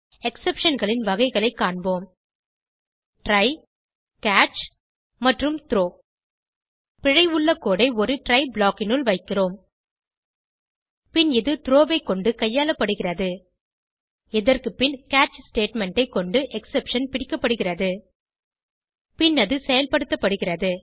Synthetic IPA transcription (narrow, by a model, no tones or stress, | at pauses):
ɛksɛpʂɐnɣɐɭɪnʋɐɣɐɪɣɐɭɐɪkːaːɳboːm | ʈɾɐɪ | kaːt͡ʃ | mɐʈrɯmt̪ɪɾoː | pɪɻɐɪʊɭːɐkːoːɽɐɪɔɾɯʈɾɐɪbɭaːkɪnʊɭʋɐɪkːɪroːm | pɪnɪðɯt̪ɪɾoːʋɐɪkːɔɳɖɯkɐjːaːlɐpːɐɽɯɣɪrɐðɯ | ɪðɐrkɯpːɪnkaːt͡ʃsʈeːʈmɛɳʈɐɪkːɔɳɖɯʔɛksɛpʂɐnpɪɽɪkːɐpːɐɽɯɣɪrɐðɯ | pɪnːɐðɯsɛjɐlpɐɽɯt̪ːɐpːɐɽɯɣɪrɐðɯ